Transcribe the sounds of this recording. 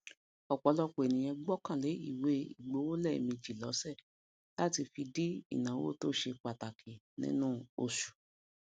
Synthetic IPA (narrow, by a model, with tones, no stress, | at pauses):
ɔ˨k͡pɔ˨˦lɔ˦k͡pe˨nĩ˨j̃ɛ̃˧ɡ͡bɔ˦kã˦˨le˨˦ḭ˦˨we˨˦ḭ˨ɡ͡bo˨˦wo˦lɛ˦˨i˨mĩ˧d͡ʒi˨lɔ˨˦sɛ˦˨ | la˦ti˧fi˧di˦ḭ˦˨nã˨˦wo̰˦˨to˦ʃe˧k͡pa˨ta˨kʰi˨ | nḭ̃˦nũ˦o˧ʃu̥˨